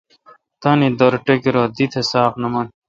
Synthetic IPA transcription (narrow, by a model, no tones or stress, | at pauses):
t̪ɐnid̪oɾʈekeɾoːd̪it̪ʰesaːknɐmɐn